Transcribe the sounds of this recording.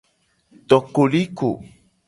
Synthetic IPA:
t̪ɔ˨ko˨li˦ko̰˨

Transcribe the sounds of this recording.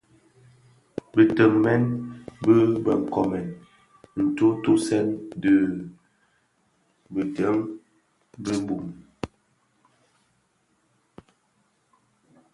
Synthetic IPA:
bə˨tə˨ŋmɛ˦nbə˦bə˨ŋ̩˨kɔ˨mɛ˨n | n̩˨to˦to˦sɛ˦ndə˨ | bə˨tə˨˦ŋ | bə˦bu˨m

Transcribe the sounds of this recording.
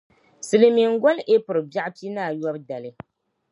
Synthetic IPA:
sɨ˨lɨ˨mi˨ŋ˦ɡɔ˦lʔe˦pʊ˨ɾɨ˨bja˦ʔpi˦naː˦˨jɔ˦bda˨lɨ˦

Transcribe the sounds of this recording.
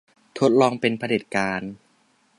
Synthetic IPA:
t̪ʰo˦˥t̪̚lɔː˧ŋpe˧npʰa˧deː˨˩t̪̚kaː˧n

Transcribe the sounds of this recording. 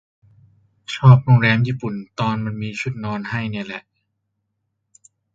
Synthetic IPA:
t͡ɕʰɔː˥˩p̚ɾo˧ŋɾɛː˧mjiː˥˩pu˨˩nt̪ɔː˧nma˧nmiː˧t͡ɕʰu˦˥˩t̪̚nɔː˧nha˥˩jnaː˧˥˩lɛ˨˩ʔ

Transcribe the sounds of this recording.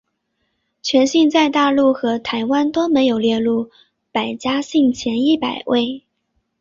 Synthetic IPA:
t͡ɕʰɥɛ˧˥nɕi˥˧ŋt͡sa˥˧ɪt̪a˥˧lu˥˩xɤ˧˥t̪ʰa˧˥ɪwa˥nt̪o˥ʊme˧˥ɪjo˨˩ʊljɛ˥˧lu˥˩ | pa˨˩ɪt͡ɕja˥ɕi˥˩ŋt͡ɕʰjɛ˧˥ni˥˩pa˨˩ɪwe˥˩ɪ

